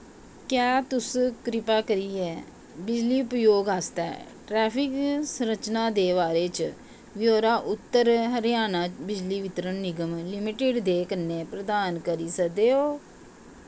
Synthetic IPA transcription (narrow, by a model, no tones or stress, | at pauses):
kjaːt̪ʊskɾɪpaːkəɾiːɛː | bɪd͡ʒliːpjoːɡɦaːst̪ɛ̰ːʈɾɛːpʰɪksɾət͡ʃnãːd̪eːβaːɾeːt͡ʃ | ʋjoːɾaːʔʊt̪ːəɾɦəɾjaːnaːbɪd͡ʒliːʋɪt̪ɾənːɪɡəmlɪmɪʈɪɖd̪eːkənːeːpɾəd̪aːnkəɾiːsəkd̪eːoː